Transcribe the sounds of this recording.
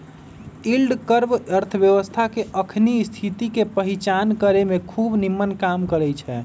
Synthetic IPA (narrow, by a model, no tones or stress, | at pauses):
ilɖkəɾbəɾt̪ʰəbjəʋəst̪ʰakeʔəkʰnist̪ʰit̪ikepəɦit͡ʃankəɾemekʰubnimːənkamkəɾɛjt͡ʃʰɛ